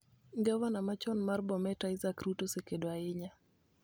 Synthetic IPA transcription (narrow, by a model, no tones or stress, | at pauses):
ɡawanamat͡ʃɔnmarbɔmɛtaɪzakɾutosekedoaɪɲa